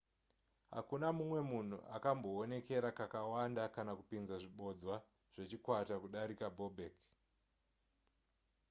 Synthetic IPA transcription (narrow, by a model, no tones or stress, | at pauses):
ɦa̰kunamumwe̞mun̤ṵʔa̰kambo̞ːne̞ke̞ɾakakawandakanakupinzaʐiɓo̞d͡zwa | ʐ̥e̞t͡ʃikwatakuɗaɾikabobʱek